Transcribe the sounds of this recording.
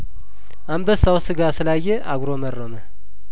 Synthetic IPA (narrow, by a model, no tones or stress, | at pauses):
ambəsawsɨɡasɨlajːɛʔaɡɾomərːomə